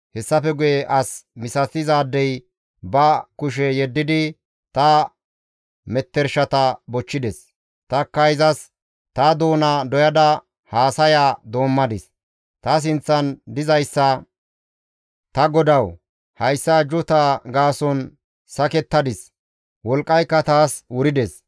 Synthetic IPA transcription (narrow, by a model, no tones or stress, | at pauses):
hɛsːɐfɛɡʊjɛʔɐsmɪsɐsɪzaːd̪ːɛj | bɐkʊʃ̬ɛjɛd̪ːɪd̪ɪ | t̪ɐ | mɛt̪ːɛɾʃɐt̪ɐbɔt͡ʃːɪd̪ɛs | t̪ɐkːɐjzɐs | t̪ɐd̪oːnɐd̪ɔjɐd̪ɐ | haːsɐjaːd̪o̞ːmːɐd̪ɪs | t̪ɐs̬ɪnt͡sːɐnd̪ɪzɐjsːɐ | t̪ɐɡɔd̪ɐw | hɐjsːɐd͡ʒʊt̪aɡaːsɔn | sɐkɛt̪ːɐd̪ɪs | wɔlkʼːɐjkːɐt̪aːswʊɾɪd̪ɛs